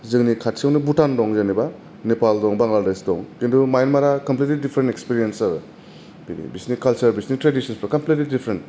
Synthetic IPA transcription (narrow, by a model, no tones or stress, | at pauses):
zɯŋnikʰat̚siawnibutandɔŋzaniba | nepaldɔŋbaŋladesdɔŋkendʰumajnmaɾakɐmplit̬lidipʰɾentekspiɾijensaɾ | inḭbisniskalt͡ʃɐɾbisnistɾedisɔnspɾakɐmplitlidipʰɾent